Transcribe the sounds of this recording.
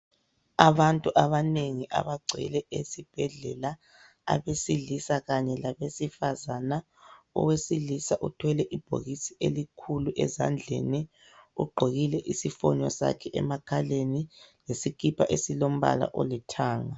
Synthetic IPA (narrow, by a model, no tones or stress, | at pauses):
aβantʼuʔaβaneŋiʔa̰βaɡ͡ǀʱɛ̰lɛʔesib̥ʱɛɮɛla | a̰βesiɮisaɣaɲɛlaβesifazana | ɔ̰wesilisaʔutʰwɛlɛʔib̥ʱo̰ɣisiʔelikʰuluʔɛ̰za̰nd͡ɮʱɛ̰nɛ | ṵɡ͡ǃʱoɣilɛʔisifɔɲɔsa̰kʰɛʔɛ̰makʰalenilesikʰʼipʰaʔesilom̩βa̰la̰ʔo̰litʰaːŋa